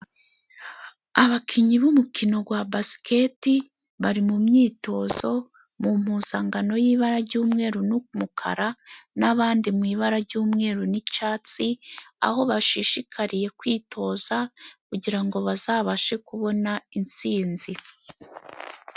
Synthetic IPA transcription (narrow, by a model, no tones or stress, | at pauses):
aβakʰiɲiβumukʰino̞ɡwabasi̥keti | βaɾimumɲiːto̞zo̞ | mum̥huːzaŋɡano̞jiːβaɾaɾɟuːmŋe̞ːɾunumukʰa̰ɾanaβaːndimwiːβaɾaɾɟuːmŋe̞ːɾunit͡ʃaːt͡sia̰ho̞βaʃiʃikʰaɾije̞kwiːtʰo̞ːzakuɟiɾaŋɡo̞βazaːβaʃe̞kuβo̞naint͡siːnzi